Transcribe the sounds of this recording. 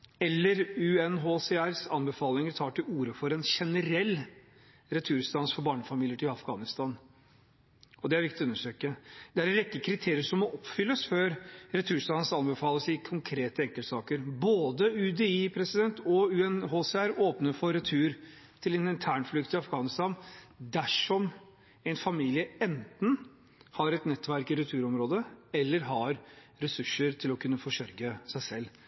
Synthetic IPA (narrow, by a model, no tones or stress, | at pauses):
ɛlːəɾʉɛnɦoːsɛæɾsɑnbɛfɑːlɪŋəɾt̪ʰɑːʈɪluːɾəfɔɾɛnʂɛnəɾɛlː | ɾɛt̪ʰʉːɾst̪ɑːnsfɔɾbɑːɳəfɑmiːljəʈɪlɑfɡɑːnɪst̪ɑːn | ɔd̪ɛæɾʋɪkt̪ʉnːəʂøːkəd̪ɛæɾɛɾɛkːəkʰɾɪt̪ʰeːɾɪəʂɔmːɔʔɔpːfʏlːəsføːɾɾɛt̪ʰʉːɾst̪ɑːnsɑnbɛfɑːləsɪkʰʊŋkʰɾeːt̪əɛŋkəlt̪sɑːkəɾboːd̪əʉd̪ɛiːpʰɾɛsɪd̪ɛnt̪ʰɔʉːɛnhoːsɛæɾoːpnəfɔɾɛt̪ʰʉːɾ | t̪ʰɪlɛnɪnt̪ʰæːɳflʏkt̪ɪɑfɡɑːnɪst̪ɑnd̪æʂɔm | ɛɪnfɑmiːlɪəɛnt̪n̩ | hɑɾɛt̪nɛt̪ːʋæɾkɪɾɛt̪ʰʉːɾɔmɾoːd̪əɛlːəɾɦɑɾ | ɾɛsʉʂːəɾt̪ʰɪlɔkʰʉnːəfɔʂœɾɡəsæɪsɛlː